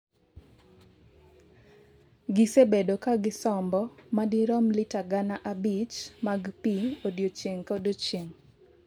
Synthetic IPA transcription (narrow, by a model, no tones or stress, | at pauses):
ɡɪsebedokaɡɪsɔmbɔmadiɾɔmlitaɡanaʔabit͡ʃmaɡpiodjot͡ʃjeŋkodot͡ʃeŋ